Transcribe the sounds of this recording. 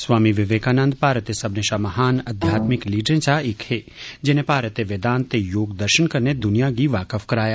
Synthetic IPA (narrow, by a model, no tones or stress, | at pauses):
sʋaːmiʋɪʋeːkaːnə̃nd̪paːɾət̪esɐbneʃaːmɐɦaːnɐd̪ʱjaːt̪mɪkliːɖɾẽt͡ʃaɪkhe | d͡ʒɪnepaːɾət̪eʋeːd̪aːnt̪ejoːɡd̪əɾʃənkɐɾned̪ʊnijaɡiʋaːkəfkɐɾaːjaː